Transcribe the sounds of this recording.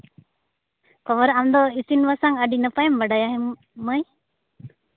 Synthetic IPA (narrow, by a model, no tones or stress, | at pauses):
kɔʋəɾamd̪ɔisinʋasaŋəɖinəpajɛmʋaɖajaɦɛm | məj